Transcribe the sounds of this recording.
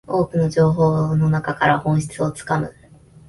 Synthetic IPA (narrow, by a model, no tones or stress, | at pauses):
o̞ːkɯ̟no̞ʑo̞ːɦo̞ːno̞nakakaɾahõ̞ɰ̃ɕi̥t͡sɨo̞t͡sɨ̥kamɯ̟̰